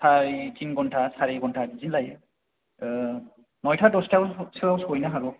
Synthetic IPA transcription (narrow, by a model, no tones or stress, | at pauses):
saɹit͡ʃinɡɔntʰasaɹiɡɔntʰadizinlaj | nɔjtʰadɔstasawsojnaɦaɹu